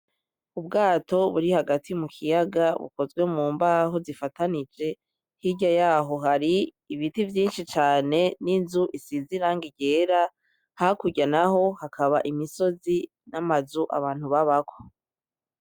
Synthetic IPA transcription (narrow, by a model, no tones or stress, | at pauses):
ubɡaːto̞βuɾihaɡatʰimukʰijaɡaβṵko̞zɡwe̞muːmbaɦozifatanid͡ʒe̞ | hiɟajaːɦo̞ɦaɾiː | βitivjiːnʃit͡ʃaːne̞ninzuʔisiziɾaŋɡiɟe̞ːɾa | hakuɟanaɦo̞hakʰaβaʔimiso̞zi | namazuʔa̰βaːn̥huβaβakʰo